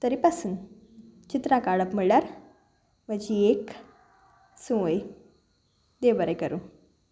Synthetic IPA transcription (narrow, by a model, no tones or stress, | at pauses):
t̪əɾipasuːn | t͡ɕit̪ɾãkaɭəpmiɭɭjaɾ | ʋəd͡ʑiek | sũʋəj | d̪ebəɾekəɾũ